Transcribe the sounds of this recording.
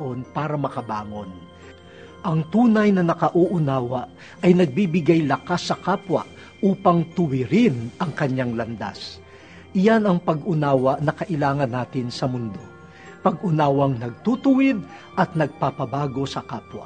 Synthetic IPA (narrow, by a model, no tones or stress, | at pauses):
ʔo̞npaːɾɐmɐkɐbaːŋo̞n | ʔɐŋt̪uːnɐjnɐnɐkɐʔuʔʊnaːwɐʔ | ɐjnɐɡ̚bibɪɡajlɐkasːɐkaːpwɐ̰ʔ | ʔuːpɐŋt̪ʊwɪɾɪnʔɐŋkɐɲaŋlɐnd̪a̰s | ʔɪjanɐŋpɐɡʔʊnaːwɐʔnɐkɐʔɪlaːŋɐnːaːt̪ɪnsɐmʊnd̪o̞ | pɐɡʊnaːwɐŋnɐɡ̚t̪ut̪ʊwɪd̪̚ | ʔɐt̪̚nɐɡ̚papɐbaːɡo̞sɐkaːpwɐ̰